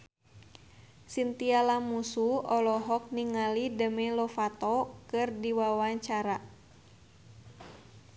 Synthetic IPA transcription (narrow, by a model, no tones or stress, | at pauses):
sint̪ialamusuɔlɔɦɔk̚niŋalidəmɛlɔfat̪ɔkɨrdiwawaɲt͡ʃaɾa